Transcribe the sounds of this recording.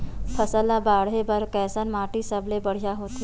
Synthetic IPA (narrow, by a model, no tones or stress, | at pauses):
pʰəsəlabaːɽɦebɐɾkɛːsənmaːʈisəblebəɽ̤ijaɦoːt̪